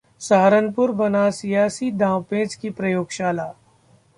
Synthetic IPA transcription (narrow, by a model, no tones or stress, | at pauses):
saːɾənpʊɾbɐnasijaːsid̪ãːwpẽːd͡ʒkipɾɐjoːɡʃaːlaː